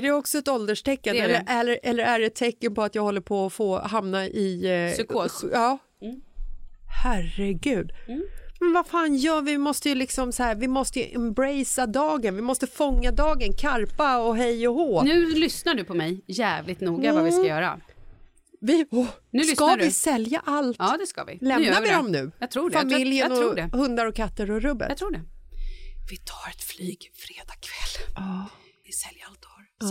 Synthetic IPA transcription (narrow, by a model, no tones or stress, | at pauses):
æɖɛɔksɔɛt̪ɔld̪əʂʈʰɛkːanɛɛlːəælːəɾʔɛlːəɾæɖɛt̪ʰːɛkːənpɔat̪jɑːɡhɔlːəɾpʰɔːfoːɦamnaʔɪskʰoːɑː | hæɾɛɡʉ̟ːd̪mɛnvafaːnjœːvɪmɔst̪əjɵlɪksɔmsahæːɾvɪmɔst̪əjɵʔɛmbɾɛjsad̪ɑːɡənvɪmɔst̪əfɔŋːad̪ɑːɡənkʰaɾpaɔɦɛjːɔhoːnʉ̟ːlʏsnaɖɵpʰɔmɛjjæːvlɪt̪nuːɡavavɪskajœːɾa̰ | vɪɔnʉːslʏskaadɪsɛljaʔalt̪ːd̪ɛska̰vɪ̰lɛmnaɾvɪd̪ɔmnʉ̟ːjɑt̪ʰɾuːɖfamɪljənɔɾuːɖɛhɵnd̪aɾɔkʰat̪ːəɾɔɾɵbːə̰t̪ʰɾuːɖɛ | vɪt̪ʰɑ̥ːɾɛt̪flyːɡfɾeːd̪ɑkʰvɛlː | vɪsɛljəalt̪̚ɔɾ